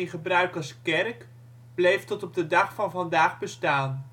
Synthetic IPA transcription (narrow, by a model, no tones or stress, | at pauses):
inχəbrœɥkəskɛrk | b̥lejftɔtɔb̚dədɑχfɑnvɑndaːχbəstaːn